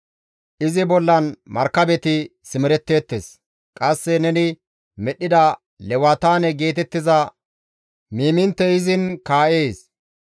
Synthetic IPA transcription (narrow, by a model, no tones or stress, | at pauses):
ʔɪzɪbɔlːɐnmɐɾkːɐbɛt̪ɪsɪmɪɾɛt̪ːe̞ːt̪ːes | kʼɐsːɛnɛnɪ | mɛɗːɪd̪ɐ | lɛwat̪aːnɛɡe̞ːt̪ɛt̪ːɪzɐ | miːmɪnt̪ːɛɪzɪnkaːʔeːs